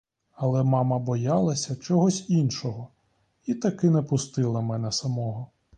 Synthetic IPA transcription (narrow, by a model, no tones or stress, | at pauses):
ɐlˠɛmɑmɐbɔjɑlˠɐsʲɐt͡ʃɔɦɔsʲinʃɔɦɔ | it̪ɐkɪnɛpʊst̪ɪlˠɐmɛnɛsɐmɔɦɔ